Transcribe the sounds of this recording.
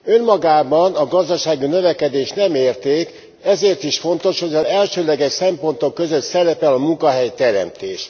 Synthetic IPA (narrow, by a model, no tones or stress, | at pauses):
ø̞nmɒɡaːbɒnɒɡɒzd̪ɒʃaːɡinø̞vɛkɛd̪eːʃnɛmeːrt̪eːk | ɛzeːrt̪iʃfo̞n̪t̪o̞ʃho̞ɟɒɛlʃøːlɛɡɛʃsɛmpo̞nt̪o̞kːøzøt̪sɛɾɛpɛlɒmuŋkɒɦɛjt̪ɛɾɛ̰mt̪eːʃ